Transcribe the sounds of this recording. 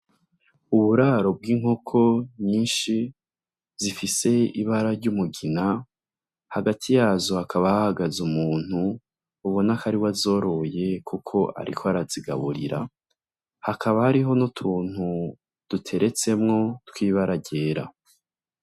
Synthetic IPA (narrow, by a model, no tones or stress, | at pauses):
uβuɾaːɾo̞b̚ɡiːŋokʰo̞ɲiːnʃi | zifise̞iβaɾaɾɟumuɡina | haɡatʰijaːzohakʰaβahahaɡazumuːn̥huː | βonakʰaɾiwazo̞ːɾo̞je̞kʰukʰo̞ʔa̰ɾḭkʰoaɾaziɡa̰βuɾḭɾa̰ | hakʰaβahaɾiɦo̞notʰuːn̥hu | d̥utʰe̞ɾe̞t͡se̞mŋo̞twiːβaɾaɟe̞ːɾa̰